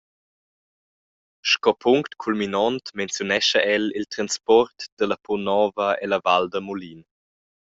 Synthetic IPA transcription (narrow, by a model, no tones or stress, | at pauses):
ʃkɔpʰuŋktkʰulminɔntmɛnt͡sjunɛʃəʔɛlilt̪ɾanspɔrtd̥əlɐpʰɔnɔːvəelɐvaldəmulin